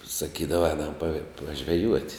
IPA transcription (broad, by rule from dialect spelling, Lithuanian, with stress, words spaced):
sɐˈkʲiːdɐʋɐ ˈɛːnɐm pɐ pɐʒʲʋʲɛˈjuɔtʲ